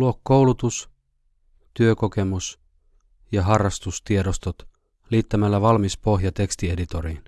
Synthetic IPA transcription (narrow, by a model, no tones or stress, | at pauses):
luokːo̞wlut̪us | t̪yøko̞ke̞mus | jɑɦɑrːɑst̪ust̪ie̞dost̪ot̪ | liːt̪ːæmælːæʋɑlmispo̞ɦjɑt̪e̞kst̪ie̞dit̪o̞ɾiːn